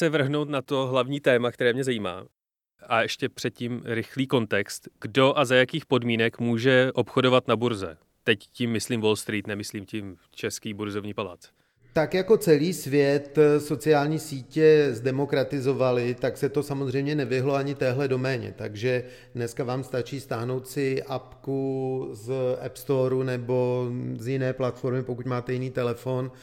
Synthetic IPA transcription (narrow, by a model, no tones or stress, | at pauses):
sɛvr̩ɦno̞wt̪nat̪o̞ɦlavɲiːt̪ɛːmak̚t̪ɛɾɛːmɲɛzaiːma̰ː | aɛʃcɛpr̥ɛt̪̚cimɾɪxliːko̞nt̪ɛkst̪ɡ̥do̞ʔazajakiːxpo̞dmiːnɛkmuːʒɛʔo̞pxo̞do̞vat̪nabuɾzɛ̰ | t̪ɛccɪmːɪsliːmvolst̪ɾiːt̪nɛmɪsliːmcɪm | t͡ʃɛskiːbuɾzovɲiːpala̰ːt͡s | t̪akjako̞t͡sɛliːsvjɛt̪so̞t͡sɪaːlɲiːsiːcɛzdɛmo̞kɾat̪ɪzo̞valɪt̪aksɛt̪o̞samozr̝ɛjmɲɛnɛvɪɦlo̞aɲɪt̪ɛːɦlɛdo̞mɛːɲɛ̰t̪aɡʒɛ | dnɛskavaːmst̪at͡ʃiːst̪aːɦno̞wt̪sɪʔapkuzʔɛpst̪oɾunɛbo̞zjɪnɛːplat̪fo̞ɾmɪpo̞kucmaːt̪ɛjɪniːt̪ɛlɛfo̞n